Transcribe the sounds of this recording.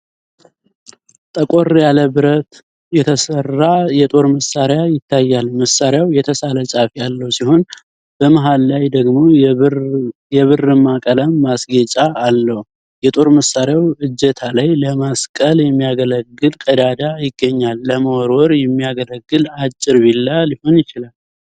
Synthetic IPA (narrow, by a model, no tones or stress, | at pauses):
t̪ʼəkʼorjaləβɨɾət̪ | jɛt̪ʰəsərːajɛt̪ʼo̞ɾməsaɾjajɪt̪ʰːajːalməsaɾjawjɛt̪ʰəsalət͡ʃʼafjalːəhwsiho̞n | b̥əmaɦalːajd̪əɡmo̞ | jɛβɨrːɨmːakʼələmːasɡet͡ʃʼaːlːəhu | jɛt̪ʼo̞ɾməsaɾjawɨd͡ʒːət̪ʰalajləmaskʼəljɛmːijaɡələɡːɨlkʼəd̪ad̪ajɪɡːəɲːalːəməwɾwɔɾjɛmːijaɡələɡːɨlat͡ʃʼːɪɾbilːaljɪho̞njɪt͡ʃɪlal